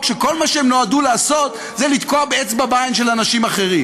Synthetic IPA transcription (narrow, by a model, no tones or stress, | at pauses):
kʃeko̞lmaʃeemnoaduleːso̞t̪ | zelit̪koabeet͡sbabainʃe̞lanaʃimaχe̞ʁim